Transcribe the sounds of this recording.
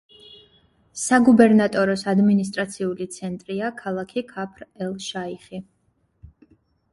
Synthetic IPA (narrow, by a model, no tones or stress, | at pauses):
saɡubɛɾnat̪ʼɔɾɔsad̪minis̬t̪ʼɾat̪sʰiulit̪sʰɛnt̪ʼɾiakʰalˠakʰikʰapʰɾɛlˠʃaiχi